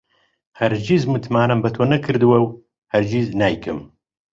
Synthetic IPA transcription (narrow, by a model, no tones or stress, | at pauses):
hɐɾd͡ʒizmɨt̪ʰmaːnɐmbɐt̪ʰoːnɐkʰɨɾd̪ɨwɐw | hɐɾd͡ʒiznaːjkʰɨm